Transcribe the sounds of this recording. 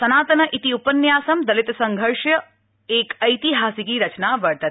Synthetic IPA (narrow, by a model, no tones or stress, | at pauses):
sɐnaːt̪ɐnɐʔit̪iupənjaːsɐmd̪ɐlit̪sɐŋɡʱəɾʂjɐ | eːkɐjt̪iɦaːsikiɾɐt͡ʃnaʋəɽt̪ɐt̪